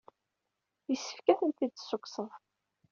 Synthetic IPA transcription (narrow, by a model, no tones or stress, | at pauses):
jəsːə̥fkæθənt̪id̪sːʊkːsəðˤ